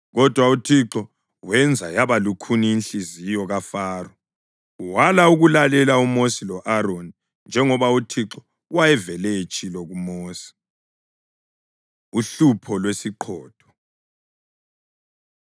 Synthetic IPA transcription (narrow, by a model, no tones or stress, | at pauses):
ɣɔd̥ʱwautʰiǁɔ | wɛnd͡zʱajaβalukʰuniinɬizijɔɣafaːrɔ | uwalauɣulalɛlaumosilɔʔaɾoni | nd͡ʒʱɛŋɔβautʰiǁɔ | wajɛvɛlɛet͡ʃʼilɔɣumoːsi̥ | uɬupʰɔlwesiǃʰɔːd̥ʱɔ̥